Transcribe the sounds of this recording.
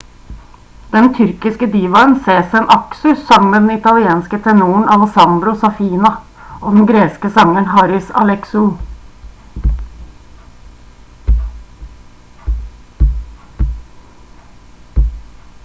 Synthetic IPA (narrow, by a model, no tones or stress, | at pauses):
d̪̥ɛnt̪ʰʏɾkɪskəd̪iːʋɑənseːsɛnʔɑksʉsːɑŋmeːd̪ɛn̩ɪt̪ɑlɪeːnskət̪ʰɛnuːəɳ̩ɑlɛsɑnd̪ɾʊsɑfiːnɑ | ʔoːd̪ɛn̩ɡɾeːskəsɑŋəɳhɑɾɪsɑ̰lɛksʊ